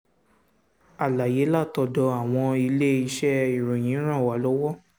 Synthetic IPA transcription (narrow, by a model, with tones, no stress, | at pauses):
a˨la˨je˨˦la˦˨tɔ˧dɔ˧a˨w̃ɔ̃˧i˧le˦i˧ʃɛ˦i˨ɾũ˨j̃ĩ˨˦ɾ̃ã˦˨wa˨˦lɔ˨˦wɔ˦